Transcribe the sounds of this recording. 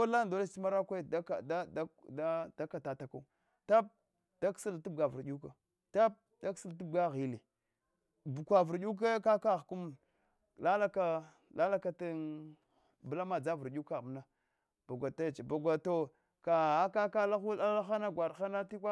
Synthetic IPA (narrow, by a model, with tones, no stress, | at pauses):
o˦la˦ndo˦la˦si˦ma˦ɾa˦kʷe˦da˦ka˨da˦dda˦da˦ka˨ta˨ta˨ka˦u˦˨ | ta˦p̚ | d̥a˦ksi˦ltu˦b̚ɡa˨vu˨ɾɗu˦ka˨ | ta˦p̚ | da˦ksi˦ltu˦bɡa˦ɣi˨le˨ | bu˨kʷa˨vu˨ɾɗu˦k̬a˦ka˦ka˦˨ɣku˦m | la˦la˦ka˦ | la˦la˦ka˦ta˦ | bla˦ma˨d͡za˦vu˨ɾɗu˦ka˦˨mna˦ | b̥a˨ɡʷa˨ta˦˨t͡ʃba˨ɡʷa˨to˨ | ka˨a˦ka˦ka˦la˦xu˦a˦la˦xa˦na˦ɡʷa˨dxa˦na˦ti˦kʷa˦